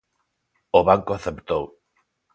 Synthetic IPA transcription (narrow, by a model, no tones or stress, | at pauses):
oβaŋkoaθept̪ow